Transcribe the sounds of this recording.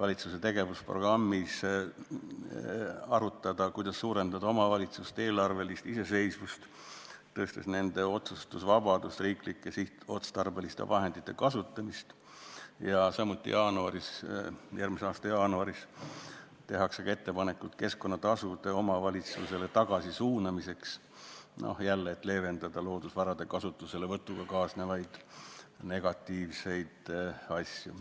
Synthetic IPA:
vɑlʲit̪suse̞t̪e̞ɡ̥e̞vuspro̞ɡ̥rɑmːis | ɑɾut̪ˑːɑd̪̥ɑkujd̪̥ɑsːuːɾe̞nd̪ɑd̪ɑomɑvɑlʲit̪sust̪e̞ːlɑrve̞list̪ise̞se̞jsvust̪ | t̪ːɤːst̪esne̞nd̪̥e̞o̞t̪sust̪usvɑb̥ɑd̪̥ust̪riːklikːˑesiht̪o̞t̪st̪ɑrbe̞list̪ḛvɑɦe̞nd̪̥it̪ːe̞̰kɑsut̪ːˑɑmist̪ | jɑsɑmːut̪ːˑḭjʔɑːnuɑɾisjʔærmiseɑːst̪ɑjɑːnuɑɾis | t̪e̞ɦɑkseɡɑe̞t̪ːe̞pɑne̞kːult̪̚ke̞sko̞nːɑt̪ɑsud̪̥e̞o̞mɑvɑlʲit̪suse̞le̞t̪ɑɡ̥ɑsisuːnɑmise̞ks | no̰hjælːeːt̪ːˑle̞ːve̞nd̪̥ɑd̪ɑlo̞ːd̪̥usvɑɾɑd̪̥e̞kɑsut̪ːˑuselevɤt̪ːˑuɡ̥ɑkɑːsnevɑjd̪̥ne̞ɡ̥ɑt̪ːˑiːvse̞jd̪̥ɑsʲju

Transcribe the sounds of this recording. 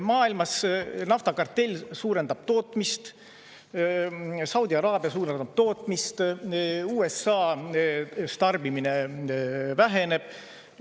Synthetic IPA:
mɑːilmɑsnɑft̪ɑkɑrt̪ːe̞lʲːsuːɾe̞nd̪ɑb̥t̪o̞ːt̪mist̪ | sɑwd̪̥iɑɾɑːb̥jɑsuːɾend̪ɑb̥̚t̪o̞ːt̪ˑmist̪ | uːe̞sːɑː | st̪ɑrbimine | væɦe̞ne̞b̥

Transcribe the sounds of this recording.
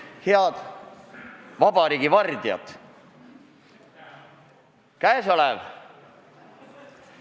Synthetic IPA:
heɑd̪̥ | vɑbɑɾiːɡ̥ivɑrd̪iɑ̰t̪ | kæeso̞lev

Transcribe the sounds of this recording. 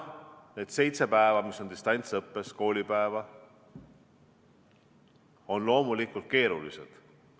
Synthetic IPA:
ned̪̥se̞jt̪se̞pæevɑmiso̞nd̪ist̪ɑnʲt̪sɤpːe̞sko̞ːlʲipæevɑ | o̞nlo̞ːmulikˑult̪̚ke̞ːɾulḭsḛd̪̥

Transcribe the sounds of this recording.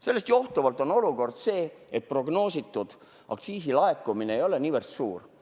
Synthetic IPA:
se̞lːe̞st̪jo̞ht̪uvɑlt̪ˑo̞no̞luko̞rd̪̥se̞ːet̪̚pro̞ɡno̞ːsit̪ːud̪̥ | ʔɑ̰kt̪siːsilɑekːˑumineejo̞leniːvərst̪suːr

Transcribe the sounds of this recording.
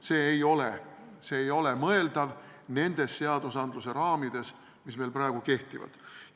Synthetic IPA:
se̞ːjo̞le | se̞ːjo̞le̞mɤe̞ld̪̥ɑv | ne̞nd̪̥e̞sːe̞ɑd̪usɑnd̪luse̞ɾɑːmid̪̥e̞s | misme̞lpɾɑeɡ̥uke̞ht̪ivɑ̰d̪̥

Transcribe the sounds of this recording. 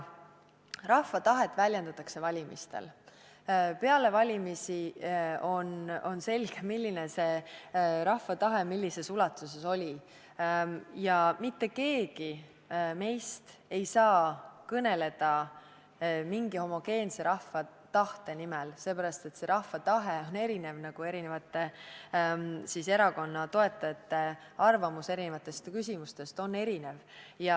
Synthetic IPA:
rɑhːɑt̪ɑɦe̞t̪ːˑvælʲjend̪ɑt̪ːˑɑkse̞vɑlʲimḭst̪ḛl | pe̞ɑle̞vɑlʲimisio̞no̞nse̞lɡ̥e̞milʲːine̞se̞ | ɾɑhːɑt̪ɑɦe̞milʲːise̞sulɑt̪ːˑuse̞so̞lʲi | jɑmit̪ːe̞ke̞ːɡ̥i | me̞jst̪e̞jsɑːkɤne̞le̞d̪̥ɑ | miŋɡ̥iho̞mo̞ɡ̥e̞ːnse̞ɾʔɑhfːɑt̪ɑht̪e̞nimɛlse̞ːpæɾɑst̪e̞t̪se̞ɾɑhːɑt̪ɑɦeone̞ɾine̞vnɑɡ̥ue̞ɾine̞vɑt̪ːˑe̞ | sise̞ɾɑko̞nːɑt̪o̞e̞t̪ˑːɑet̪ːˑe | ɑrvɑmuse̞ɾine̞vɑt̪ːˑe̞st̪kysʲimust̪e̞st̪o̞nːe̞ɾine̞vjɑ

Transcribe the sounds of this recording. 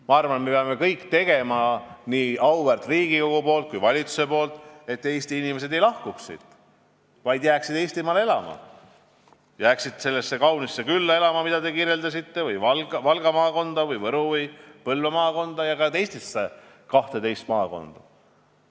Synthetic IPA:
mɑɑrvɑnet̪me̞peɑme̞kɤjkːt̪e̞ɡ̥e̞mɑniːɑwvært̪ˑriːɡiko̞ɡ̥upo̞ːlt̪̚kujvɑlʲit̪su̥se̞po̞ːlt̪ˑe̞t̪ːe̞ːst̪iinime̞s̬e̞d̪e̞jlɑhkuksḭd̪̥ | vɑjd̪jæːksid̪eːst̪imɑːleelɑmɑ̰ | jæːksid̪̥se̞lːesːe̞kɑwnisːekylːɑe̞lɑmɑmid̪̥ɑd̪e̞kiːrjeld̪ɑsit̪ːe̞vɯjvɑlɡvɑlɡ̥ɑmɑːko̞nd̪̥ɑvɯjvɤɾuvipɤlvemɑːko̞nd̪̥ɑjɑkɑt̪e̞jst̪isːe | kɑht̪e̞t̪e̞jst̪mɑːko̞̰nd̪̥ɑ

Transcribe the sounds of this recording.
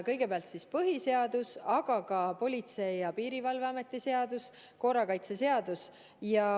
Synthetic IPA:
kɤjɡ̥e̞peɑlt̪sispɤɦise̞ɑd̪̥usɑɡ̥ɑkɑpo̞lʲit̪se̞jɑpiːɾivɑlveɑme̞t̪ːˑise̞ɑd̪̥us | ko̞ːɾɑkɑjt̪se̞se̞ɑd̪̥us | jɑ

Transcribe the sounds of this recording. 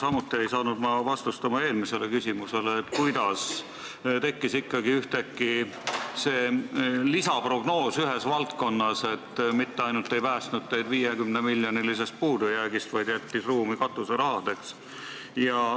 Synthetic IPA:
sɑmut̪ːˑie̞jsɑːnud̪̥mɑvɑst̪ust̪ɑmɑe̞ːlmise̞le̞kysʲimuse̞leːt̪ːkujd̪̥ɑs | t̪e̞kːisikːɑɡiyht̪ekːi | se̞ːlisɑprɾo̞ɡ̥no̞ːsyɦe̞svɑlt̪̚ko̞nːɑse̞t̪ːmit̪ːeɑjnult̪ːˑe̞jpæːst̪nud̪̚t̪ːe̞jd̪viːjekymnemilʲjonilise̞st̪̚puːd̪ujæːɡist̪vɑjd̪̥jæt̪ʲːisruːmikɑt̪ːˑuseɾɑɦɑd̪e̞ks | jɑ

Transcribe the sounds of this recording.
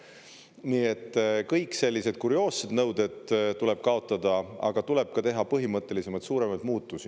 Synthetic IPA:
niːe̞t̪ːkɤjkse̞lʲːised̪̥kuɾio̞ːsːed̪̥nɤwd̪e̞d̪̥t̪ule̞b̥̚kɑo̞t̪ˑːɑd̪̥ɑɑ̰ɡ̥ɑt̪ule̞b̥̚kɑt̪e̞ɦɑpɤɦimɤt̪ˑːe̞lise̞mɑjt̪suːɾe̞mɑjd̪̥̚muːt̪ːˑusi

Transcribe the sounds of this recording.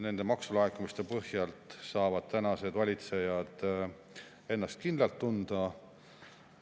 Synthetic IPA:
ne̞nd̪̥e̞mɑksulɑekːumist̪e̞pɤhjɑlt̪sɑːvɑd̪̥̚t̪ænɑse̞d̪̥vɑlʲit̪se̞jɑd̪̥ | e̞nːɑst̪̚kind̪lɑlt̪ːund̪̥ɑ

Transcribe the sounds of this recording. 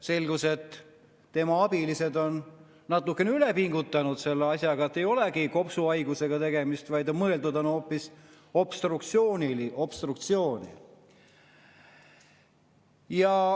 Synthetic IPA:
se̞lɡuse̞t̪ː | e̞mɑɑb̥ilise̞d̪o̞nː | ɑt̪ːˑukːˑe̞neylepiŋɡut̪ːˑɑnud̪se̞lːeɑsʲjɑɡɑet̪ːe̞jo̞leɡiko̞psuɑjɡuse̞ɡ̥ɑt̪e̞ɡe̞mist̪vɑjd̪omɤe̞ld̪ud̪o̞no̞ːpːˑis | o̞b̥st̪rukt̪sio̞ːniliʔo̞b̥st̪rukt̪sio̞ːnḭ | jɑ

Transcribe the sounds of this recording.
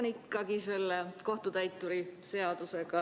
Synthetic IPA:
nikːˑɑɡise̞lːeko̞ht̪ut̪æjt̪ːˑuɾise̞ɑd̪̥use̞ɡɑ

